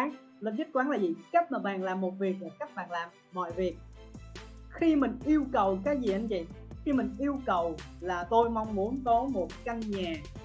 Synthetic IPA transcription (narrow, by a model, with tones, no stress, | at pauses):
lə˨˩zə˦˥t̚kwaː˨˦ŋlaː˨˩zi˨˩ka˦˥t̚maː˨˩ɓaː˨˩nlaː˨˩mːo˨˩t̚vi˨˩ək̚mu˨˩ka˦˥k̚ɓa̰ː˨˩nlaː˨˩m | mɔ̰˧˨jvi˨˩ək̚ | xi˧mï˨˩ŋ̟ʔi˧əwkə˨˩wkaː˨˦jzi˨˩ʔə˧nzḭ˨˩˨xi˧mï˨˩ŋ̟ʔi˧əwkə˨˩w | laː˨˩t̪o˧jma˧wŋ͡mmu˨˦ənkɔ˨˦mo˨˩t̚ka˧ŋɲaː˨˩